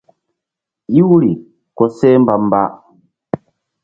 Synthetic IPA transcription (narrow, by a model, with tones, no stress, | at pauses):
i˦wu˦ɾi˨ | kɔ˨sɛ˦m˦ba˨m˦ba˦